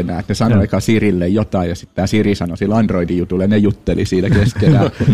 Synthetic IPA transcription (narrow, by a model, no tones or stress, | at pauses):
nˑæːet̪nesɑnoɑikɑsirilːejjot̪ɑijjɑsi̥t̪t̪ːæːsirisɑnosilːɑndroidijut̪ulːenejut̪ːelisiːnækeskelæjɑ